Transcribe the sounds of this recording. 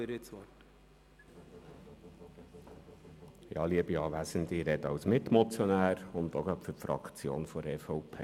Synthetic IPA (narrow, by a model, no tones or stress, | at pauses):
ɪɾɪt͡sɔt | jɑ̰ːliəbiɑːʋæsəndɪɾɛdɑwsmɪt̪mɔt͡sjɔnæːɾʊnd̪oɡɑpfʏɾfɾɑ̰kt͡sjo̰ːnfɔɾɛfɔʊpʰḛː